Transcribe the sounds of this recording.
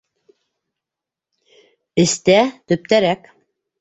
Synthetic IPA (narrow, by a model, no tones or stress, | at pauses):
ɘ̆st̪æt̪ɵ̆p̚t̪æɾæk